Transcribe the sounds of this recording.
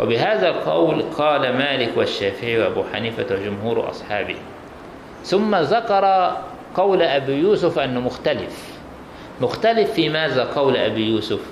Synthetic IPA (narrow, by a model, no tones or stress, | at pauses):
wʔa̰bɪɦaːðalqɑ̰wlqʰɑːlamaːlɪkwaʃːaːfɪʕiwʔabuːħa̰niːfawad͡ʒʊmhuːɾʔɑ̰sˤħɑːbɪ̰h | θʊmːaðakɑɾˤɑ | qɑwlʔabijuːsʊfʔanːʊmʊxt̪alɪf | mʊxt̪alɪfːiːmaːðaqɑwlʔa̰bijuːsʊf